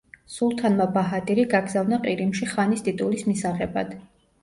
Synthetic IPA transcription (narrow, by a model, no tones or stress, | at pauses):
sulˠt̪ʰanmabaɦat̪ʼiɾiɡaɡzavnaqʼiɾimʃiχanist̪ʼit̪ʼulismisaʁɛba̰d̪̥